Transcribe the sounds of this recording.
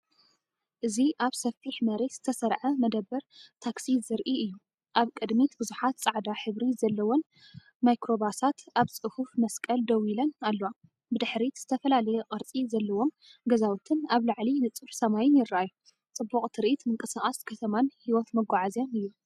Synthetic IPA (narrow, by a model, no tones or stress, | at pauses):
ʔɨziʔaβsɐfiħmɐɾet̪z̥ɨt̪ʰɐsɐɾʕɐmɐd̪ɐbːɐɾt̪ʰaksizɨɾʔiɨjːu | ʔaβkʼɨd̪mit̪bɨzuħat̪t͡sʼaʕd̪aħɨβɾizɐlːɐwon | majkɾo̞basat̪aβt͡sʼɨhufmɐskʼɐld̪ɐwilɐnalːowa | bɨd̪ɨħɾiz̥ɨt̪ʰɐfɐlalɐjɛqʼɨɾt͡sʼizɐlːɐwo̞m | ɡɐzawut̪ʰɨnaβlaʕlinɨt͡sʼɨħsɐmajɪnjɪɾːajːu | t͡sʼɨbːuχʼt̪ʰɨɾʔit̪mɨŋkʼɨsaχʼaskʰɐt̪ʰɐmanhiwɔt̪mɐɡʷaʕazjonɨjːu